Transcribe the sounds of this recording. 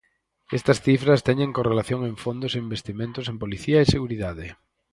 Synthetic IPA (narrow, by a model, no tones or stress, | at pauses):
est̪ɐsθifɾɐst̪ɛɲẽŋkorelaθjoŋẽɱfond̪oseimbest̪imẽnt̪ʊsẽmpoliθiɐeseɣuɾiðaðɪ